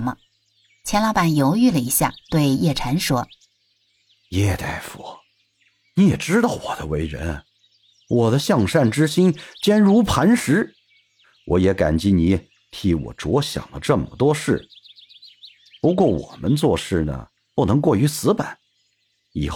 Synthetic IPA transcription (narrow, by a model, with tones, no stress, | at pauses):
mə̰˧ | t͡ɕʰjɛ˧˥nlɑ˧˥ʊpa˨˩njo˧˥ʊy˥˩lə˨i˧˥ɕja̰˥˩t̪we˥˧ɪjɛ˥˩ʈ͡ʂʰa˧˥nʂwɔ˥ | jɛ˥˧t̪a˥˩ɪfu˨˩˦ | ni˧˥jɛ˨˩ʈ͡ʂɻ̩˥t̪ɑ˥˩ʊwɔ˨˩d̪ə˦we˧˥ɪɻə̰˧˥n | wʔɔ˨˩d̪ə˦ɕjɑ˥˧ŋʂa˥˩nʈ͡ʂɻ̩˥ɕi˥nt͡ɕjɛ˥nɻu˧˥pʰa˧˥nʂɻ̩˧˥ | wʔɔ˧˥jɛ˧˥ka̰˨˩nt͡ɕi˧˥ni˧˥ | t̪ʰi˧˥wɔ̰˨˩ʈ͡ʂwɔ˧˥ɕjɑ̰˨˩ŋd̪ə˦ʈ͡ʂə˥˩mə˩t̪wɔ˥ʂɻ̩˥˩ | pu˧˥kwɔ˥˩wɔ̰˨˩mə˦nt͡swɔ˥˧ʂɻ̩˥˩nə̰˩ | pu˥˩nɤ˧˥ŋkwɔ˥˩y˧˥sɹ̩˧˥pa˨˦n | ḭ˨˩x